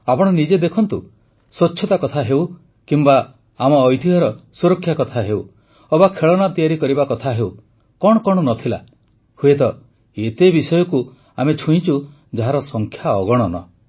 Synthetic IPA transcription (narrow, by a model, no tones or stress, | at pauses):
apɔɽ̃ɔnid͡ʒed̪ekʰɔnt̪u | sot͡ʃːʃʰɔt̪akɔt̪ʰaɦew | kimbaː | mɔːjt̪ʰiɦɔɾɔsuɾɔkʰːjakɔt̪ʰaɦew | ɔbakʰeɭɔnat̪ijaɾikɔɾibakɔt̪ʰaɦew | kɔɽ̃ɔkɔɽ̃ɔnɔt̪ʰila̰ | huet̪ɔ | et̪ebisɔjɔku | amet͡ʃʰuĩt͡ʃu | d͡ʒaɦaɾɔsɔŋkʰjaɔɡɔɽ̃ɔnɔ̰